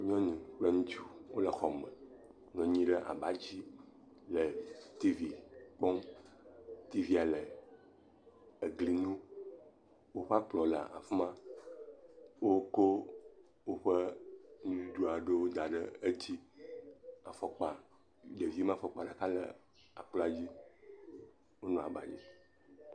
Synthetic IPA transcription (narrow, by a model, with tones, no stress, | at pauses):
ɲ˦ɔ̃˦nũ˨k͡pe˦ŋũ˦t͡ʃu˦wo˦lə˨xɔ˨mə̃˨ | ɲɔ̃˨ɲĩ˦ɖə˦ʔa̰˨ba˨d͡ʑi˦ | lə˨t̪i˦vi˨k͡pɔ˦m | t̪i˦vi˦a˨lə˨ | ə˨ɡli˦nũ˦ | wo˦ɸa˦k͡plɔ˨la̰˨a̰˨fmã˦ | wo˦ko˦ | wo˦ɸə˦nũ˦du˦d̪u˦a˨ɖə˦wo˦d̪a˨ɖə˦e˦t͡ɕi˦ | a˨fɔ˨k͡pa˨ | ɖe˨vi˦mã˦fɔ˨k͡pa˨ɖa˨ka˦lə̰˨ | a̰˨k͡plɔ˦a˨d͡ʑi˦ | wo˦nɔ̃˨a̰˨ba̰˨d͡ʑḭ˦